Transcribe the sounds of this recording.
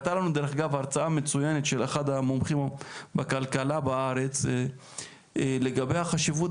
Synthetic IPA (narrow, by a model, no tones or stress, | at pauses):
t̪alanud̪eɾeχɡavaʁt͡saame̞t͡sujenet̪ʃeleχad̪amomχimbakalkalabaaʁet͡s | le̞ɡabe̞jhaχaʃivut